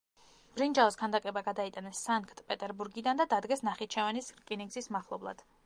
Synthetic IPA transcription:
b̥ɾind͡ʒaɔskʰand̪akʼɛbaɡad̪ait̪ʼanɛsːaŋkʰʼt̪ʼpʼɛt̪ʼɛɾbuɾɡid̪and̪ad̪ad̪ɡɛsnaχit̪̚t͡ʃʰɛvɛnisɾkʼiniŋɡzismaχlˠɔblˠa̰d̪̥

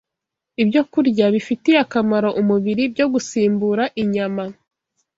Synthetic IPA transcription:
ibjo̞kuɾɟaβifitiakamaɾo̞ʔumuβiɾibɟo̞ɡusiːmbuɾaʔiɲama

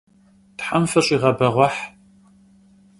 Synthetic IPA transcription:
tħamfɐɕʼiːʁɐbɐʁʷɔħ

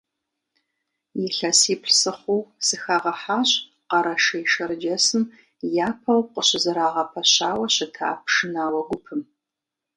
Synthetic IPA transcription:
jɪɬɐsiːpɬsɨχʷʊwsɨxaːʁɐħaːɕʼ | qɐɾɐʃɐjʃɐɾɨd͡ʒɐsɨm | jaːpʰɐwqəɕɪzɨɾaːʁɐpʰɐɕaːwɐɕɪtʰa̰ːp̚ʰʂɨnaːwɐɡʷʊpʰɨm

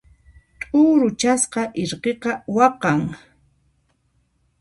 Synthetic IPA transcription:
t̪ʼʊːɾʊt͡ʃasqɑʔɪɾqeqɑwɑqɑŋ

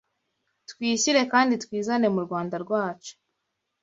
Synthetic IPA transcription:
twiːçiɾe̞kaːnditwiːzane̞muɾɡwaːndaɾɡwaːt͡ʃo̥

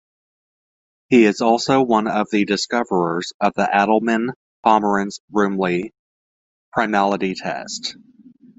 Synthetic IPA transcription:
hiɪzɔlˠsoʊwʌ̃nʌvðɨdɨskʌvə˞ə˞z̥ʌvðiʔæɾl̩ˠmɨ̃n | pʰɑmə˞ɨ̃nz̥ɹʉ̃mli | pʰɹ̥aɪmælˠəɾitʰɛ̰st

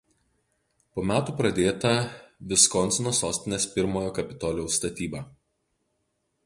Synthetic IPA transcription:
poːmʲæːt̪uːpɾɐd̪ʲeːt̪ɐʋʲɪskɔnʲˑsʲɪnoːsoːsʲt̪ʲɪnʲeːspʲɪɾmoːjoːkɐpʲɪt̪ɔːlʲoʊst̪ɐt̪ʲiːbɑː

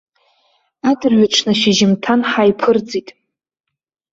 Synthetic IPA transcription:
adɨrɥaʈ͡ʂʰnaʃaʒɪmtʰanħajpʰɨrd͡zitʼ

